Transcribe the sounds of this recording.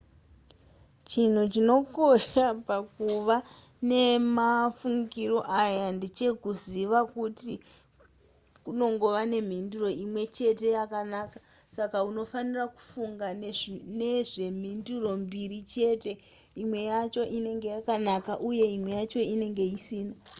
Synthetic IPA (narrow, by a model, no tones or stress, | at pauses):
t͡ʃin̤ut͡ʃino̞ko̞ʃapakuʋa | ne̞mafuŋɡiro̞ʔajandit͡ʃe̞kuziʋakuti | kuno̞ŋɡo̞ʋane̞m̤induro̞imwe̞t͡ʃe̞te̞jakanaka | sakauno̞faniraku̥fuŋɡanene̞ʐe̞m̤induro̞mbirit͡ʃe̞te̞ | imwe̞jat͡ʃo̞ʔine̞ŋɡe̞jakanakaʔuje̞imwe̞jat͡ʃo̞ine̞ŋɡe̞isiːna